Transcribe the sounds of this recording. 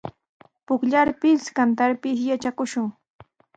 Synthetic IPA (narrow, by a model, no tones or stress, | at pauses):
pʊkʎaɾpɪskant̪aɾpɪʃjat͡ʃakʊʃʊŋ